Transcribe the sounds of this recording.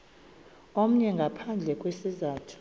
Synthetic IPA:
om̩ɲɛŋɡʱapʰand͡ɮʱɛkʼwesizaːtʰu̥

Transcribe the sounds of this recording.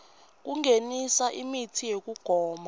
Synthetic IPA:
k̬uŋenisaʔimitʰijek̬uɡ̥ʱɔːma

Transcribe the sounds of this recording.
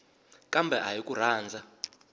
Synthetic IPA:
kʼambʱɛʔajik̬ʼur̤aːnd͡zʱa

